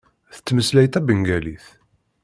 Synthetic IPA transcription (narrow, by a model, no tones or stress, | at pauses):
θə̥t͡sːməslæjt̪æbəŋɡæliθ